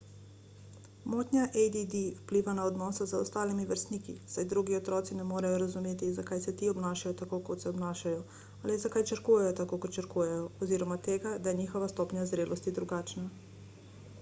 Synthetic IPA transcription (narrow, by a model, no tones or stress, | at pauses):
mɔt̪nʲjaʔejd̪id̪iwpliːʋanaɔd̪nɔːsazaɔst̪aːlimiʋəɾst̪niːkḭsajd̪ɾuɡiɔt̪ɾɔːt̪sinɛmoːɾajɔɾazumeːt̪izakajsɛt̪iɔbnaːʃajɔt̪akokɔt̪sɛɔbnaːʃajɔ | alizakajt͡ʃəɾkuːjɛjɔt̪akoːkɔt̪t͡ʃəɾkujɛjɔɔziːɾɔmat̪eːɡad̪ajɛɲiːxɔʋast̪ɔːpɲazɾeːlʔɔst̪id̪ɾuɡaːt͡ʃna